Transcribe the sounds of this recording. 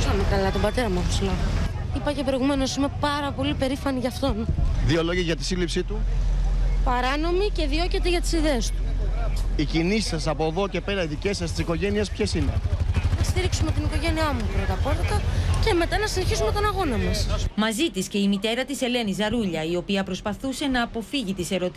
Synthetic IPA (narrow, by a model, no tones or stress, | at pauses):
sɐmekɐlɐt̪o̞mbɐt̪e̞ɾɐmɐuslɐipɐce̞pɾo̞iɣume̞no̞sime̞pɐɾɐpo̞lipe̞ɾifɐniʝɐft̪o̞nðio̞lo̞ʝiʝɐt̪i̥silipsit̪u | pɐɾɐno̞mice̞ðio̞cet̪eʝɐt̪i̥siðe̞est̪u̥ | icinisi̥sɐsɐpo̞ðo̞ce̞pe̞ɾɐiðice̞sɐst̪i̥siko̞ʝe̞niespçe̞sine̞̰nɐst̪iɾiksume̞t̪iniko̞ʝe̞niɐmupɾint̪ɐpo̞ðikɐce̞me̞t̪ɐnɐsineçisume̞t̪o̞nɐɣo̞nɐmɐsmɐzit̪isce̞imit̪e̞ɾɐt̪ise̞le̞nizɐɾuʎɐio̞piɐpɾo̞spɐθuse̞nɐːpo̞fiʝit̪ise̞ɾo̞t̪